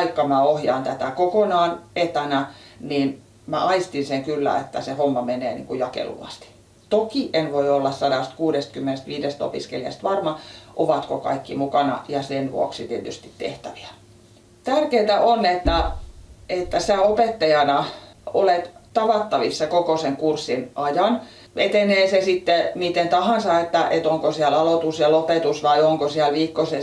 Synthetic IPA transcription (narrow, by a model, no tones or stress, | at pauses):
ikːɑmæohjɑ̰ːnt̪æt̪ækokonɑːnet̪ænæniːn | mæ̰ʔɑist̪inseŋkylːæ̰ḛt̪ːæsehomːɑmeneːnḭːŋkujɑkḛlṵʋɑ̰st̪i̥ | t̪okiʔenʋoiolːɑssɑdɑˑst̪kuːɾest̪̚kymːenest̪ʋiːdest̪o̰piskḛliɑ̰st̪ʋɑrmɑʔoʋɑt̪kokɑ̰ikːimukɑnɑ̰jɑsenʋṵo̰ksit̪iet̪yst̪it̪t̪ḛht̪æʋi̥æ̥ | t̪ærkeːt̪æʔonet̪ːæ | et̪ːæsiæopet̪ːɑjɑnɑolet̪t̪ɑʋɑt̪ːɑʋisːɑkokoseŋkursːinʔɑjɑn | ʋḛt̪eneːsesit̪ːemit̪ent̪ɑhɑnsɑet̪ːæʔet̪oŋkosiælɑlot̪uselopet̪usʋɑioŋkosiælʋiːkːose